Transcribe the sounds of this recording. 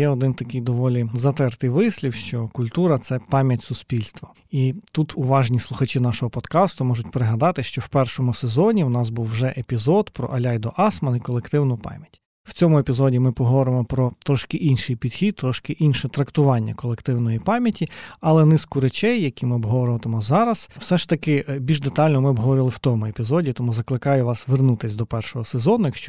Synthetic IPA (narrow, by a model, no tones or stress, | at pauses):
jɛɔd̪ɪnt̪ɐkɪjd̪ɔʋɔlʲizɐt̪ɛrt̪ɪjʋɪsʲlʲiwʃt͡ʃɔkʊlʲt̪uɾɐt̪sɛpɑmʲjɐtʲsʊspʲilʲst̪ʋɐ | it̪ut̪ʰʊʋɑʒnʲislˠʊxɐt͡ʃinɑʃɔɦɔpɔd̪kɑst̪ʊmɔʒʊtʲpeɾeɦɐd̪ɑt̪ɪʃt͡ʃɔwpɛrʃɔmʊsezɔnʲiwnɑsbuwʒɛʔepʲizɔd̪pɾɔ̰ʔɐlʲɑjd̪ɔʔɑsmɐnikɔlˠekt̪ɪwnʊpɑ̰mʲjɐtʲ | w̥t͡sʲɔmʊepʲizɔdʲimɪpɔɦɔʋɔɾɪmɔpɾɔt̪ɾɔʃkɪʔinʃɪjpʲid̪xʲid̪̚t̪ːɾɔʃkɪʔinʃɛt̪ɾɐkt̪ʊʋɑnʲːɐ̰kɔlˠekt̪ɪwnɔjipɑmʲjɐtʲiɐlˠɛnɪskʊɾet͡ʃɛjːɐkʲimɪɔbɦɔʋɔɾɪlɐt̪ɔmɔzɑɾɐsw̥sɛʃt̪ɐkɪbʲilʲʒd̪et̪ɑlʲnɔmɪɔbɦɔʋɔɾɪlˠɪwt̪ɔmʊepʲizɔdʲit̪ɔmuzɐklˠɪkɑjʊʋɑsʋernut̪ɪsʲd̪ɔpɛrʃɔɦɔsezɔnɔjɐkʃt͡ʃɔ